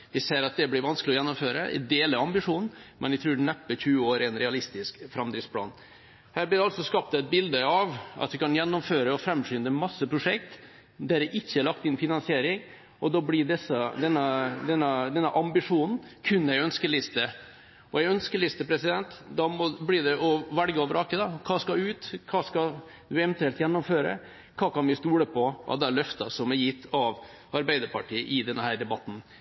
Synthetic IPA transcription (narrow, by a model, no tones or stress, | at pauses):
ʋɪseːɾɑt̪̚d̪ɛblɪɾʋɑnsklɪɔjɛnːɔmføːɾə̰ɛ̰d̪eːləɾɑmbɪʂuːnn̩mɛ̰nɪɡt̪ʰɾʉːɖɛnɛpːəçʉːəoːɾɪɛnɾɛɑlɪst̪ɪskfɾɑmd̪ɾɪspʰlɑ̰ːn | hæːblɪd̪ɛɑlsɔskɑp̚t̪æɪt̪̚bɪld̪əɑʋɑ̰t̪ʋɪkɑnjɛnːɔmføːɾəɔfɾɛmɕyːnd̪əmɑsːəpʰɾʊʂɛk̚t̪ | d̪æɾɛʔɪçːəæɭɑk̚t̪ɪnfɪnɑnsɪeːɾɪŋ | ɔd̪ɑːblɪɖɛsəd̪ɛnːəd̪ɛnːɑd̪ɛnːəʔɑmbɪʂuːnn̩kʰʉnːæɡœnskəlɪst̪ə | ʔɔjɛɡœnskəlɪst̪əpʰɾɛsɪd̪ɛnt̪d̪ɑmɔblɪɖ̪ɛʔɔʋæɽɡəɔːʋəɾɑːkəd̪ɑkʰɑːskɑʉːt̪kʰɑːskɑd̪ʉɛʋɛnt̪ʰɛlt̪jɛnːɔmføːɾə̰ | kʰɑːkɑnʋɪst̪uːɽəpʰɔʔɑ̰ʋd̪ɛæɭœft̪ɑ̰sɔmɛɾjɪt̪ʰːɑʋ | ɑɾbæɪd̪əɾpɑʈʰiːəʔɪd̪ɛnːəhæːɾɖ̪ɛbɑt̪ːn̩